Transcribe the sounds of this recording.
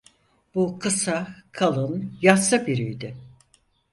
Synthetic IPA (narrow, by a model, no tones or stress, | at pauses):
b̥ukʰɯsakʰalˠɯnjasabiɾijd̪ɪ